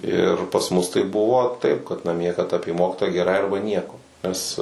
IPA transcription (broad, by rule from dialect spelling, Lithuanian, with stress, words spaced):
ˈɪr pɐs ˈmʊs tɐɪ ˈbʊʋoː tɐɪp kɐt nɐˈmʲiɛ kɐt ˈɑːpʲiɛ ˈmoːkʲɪtoːjæː ɡʲɛˈrɐɪ ˈɐrbɐ ˈnʲiɛkoː nʲɛs